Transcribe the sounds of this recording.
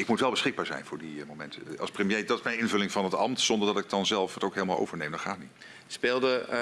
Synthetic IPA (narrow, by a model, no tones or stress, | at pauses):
ɪkmutʋɛlˠbəsχɪɡ̚baːɹzɛ̰jnvʊːɹdimowmɛntʰəɑlˠsprəmjejdɑtɪ̥smɛjnɪnvɵlɪŋvɑnɦətɑ̰mtsɔndəɹdɑtɪk̚d̥ɑnzɛlˠfətowkɦejləmaːlˠo̰wvəɹnejmdɑtχaːtdi | speːlˠdə